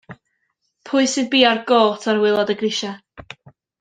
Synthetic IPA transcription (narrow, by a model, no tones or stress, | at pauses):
pʰʊɨsɨd̚biːarɡoːlˠtʰarwɪlˠɔdəɡrɪʃa